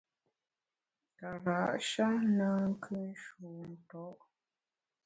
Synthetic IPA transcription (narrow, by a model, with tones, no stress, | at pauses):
ta˨ɾa˨ʔʃa˦naː˦ŋ̩˦kʰɨ˦n̩˦ʃuː˨n̩˨tɔ˦ʔ